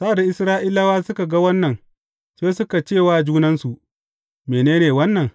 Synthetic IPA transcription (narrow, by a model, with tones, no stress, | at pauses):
saː˦˨da˨ʔɪ˦sɾaː˦ʔɪi˦la˦waː˦sʊ˦ka˨ɡa˦wɐ˦nːɐ˨n | seː˦sʊ˦ka˨t͡ʃeː˦˨waː˨d͡ʒuː˦nɐ˦nsu˨ʔ | meː˨neː˦neː˨wɐ˦nːɐ˨ŋ